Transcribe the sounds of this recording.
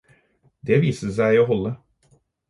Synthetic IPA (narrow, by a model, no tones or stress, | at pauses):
d̪eʋiːsəsæɪoːɦɔlːə